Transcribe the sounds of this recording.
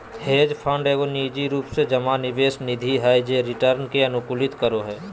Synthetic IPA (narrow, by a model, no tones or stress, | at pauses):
heːd͡ʒpʰə̃ɳɖeːɡoniːd͡ʒiɾuːpsed͡ʒəmanɪʋeːsnɪd̪ʱiɦaːid͡ʒeɾɪʈəɾnkeɐnʊkulɪt̪kəɾoɦɛː